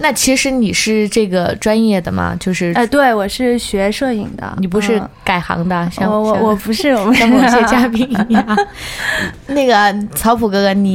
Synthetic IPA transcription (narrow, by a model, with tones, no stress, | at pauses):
na˥˩t͡ɕʰi˧˥ʂɻ̩˧˥ni˨˩ʂɻ̩˥˧ʈ͡ʂɤ˥˩ɡə˩ʈ͡ʂwa˥njɛ˥˩d̪ə˩mɐ̰˩t͡ɕjo˥˧ʊʂɻ̩˥˩˧t̪we˥˩ɪwɔ˨˩ʂɻ̩˥˩ɕɥɛ˧˥ʂɤ˥˩ḭ˨˩ŋd̪ə̰˦ni˨˩p̬u˧˥ʂɻ̩˥˩ka˨˩ɪxɑ̰˧˥ŋd̪ə˧ɕjɑ˥ŋɔ˧˥wɔ˨˧˩pu˧˥ʂɻ̩˥˩˨ɛ˥˧t͡ɕja˥pi˥ni˨˩ŋ˧˩ɐ˧ | na˥˩ɡə˩t͡sʰɑ˧˥ʊpʰu˨˩kɤ˧˥kə˧˥nni˨˩